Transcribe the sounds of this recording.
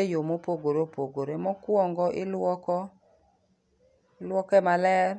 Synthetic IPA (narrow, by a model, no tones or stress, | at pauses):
ejomopoɡoɾopoɡoɾemɔkwɔŋɡɔʔɪlwɔkɔ | lwɔkɛmalɛr